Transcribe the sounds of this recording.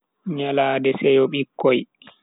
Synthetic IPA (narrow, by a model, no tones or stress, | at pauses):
ɲalaːdɛsɛjɔɓikʰːɔj